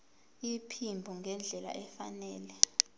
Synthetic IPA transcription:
ipʰimbʱuŋɛnd͡ɮʱɛla̰ʔɛfanɛːlɛ

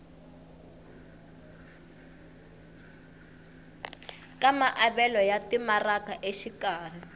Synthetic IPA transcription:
kamaʔaβɛlɔjatimarakaʔeʃikaːr̤i

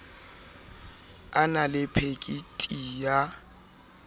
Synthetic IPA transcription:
analɪpʰekʼitʼiːja

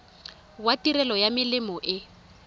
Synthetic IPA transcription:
watirɛlɔjamɪlɪmɔʔɪ

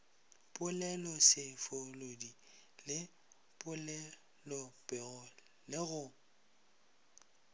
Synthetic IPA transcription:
pʼʊlɛlɔsɪfolodi | lɪ | pʼʊlɛ | lɔpʼɛɣʊ | lɪɣʊ

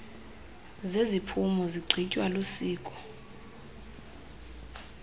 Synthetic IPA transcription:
zezipʰumɔziɡ͡ǀʱicʼwalusiːkʼɔ̥

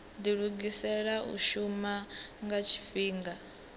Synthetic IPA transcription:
ndiɺuɡisɛɺaʔṵʃumaŋɡat͡ʃʰi̥fiːŋɡa

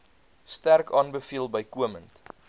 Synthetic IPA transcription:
stærkɑːnbəfiəlˠbəjkuəmənt

